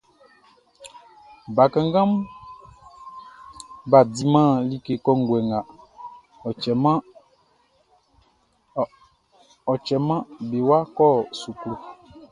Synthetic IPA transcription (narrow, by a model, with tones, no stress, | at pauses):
ba˨kã˨ŋ˦ɡã˦m | ba˨di˨mã˦˨li˦ke˨kɔ˦ŋ̩˨ɡwɛ˨ŋa˨ | ma˦ | ɔ˨t͡ʃɛ˨mã˦be˨wa˦kɔ˦˨su˨klu˨